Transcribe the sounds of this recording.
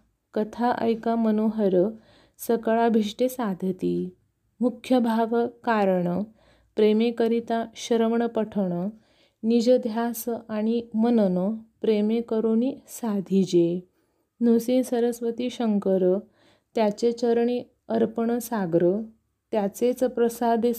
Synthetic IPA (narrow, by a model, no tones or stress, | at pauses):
kət̪ʰaʔə̰jkamənoɦəɾə | səkɭabʱiʂʈesad̪ʱət̪i | mukʰːjəbʱaʋkaɾɳə | pɾemekəɾit̪aɕəɾəmɳəpəʈʰəʋɳ̃ə | nid͡ʑəd̪ʱjasaɽ̃imənənəpɾemekəɾonisad̪ʱid͡ʑe | nusinsəɾəsʋət̪iːɕəŋkəɾə | t̪jat͡ɕet͡ɕəɾɳi | əɾpəɳəsaɡɾə | t̪jat͡set͡spɾəsad̪ʱ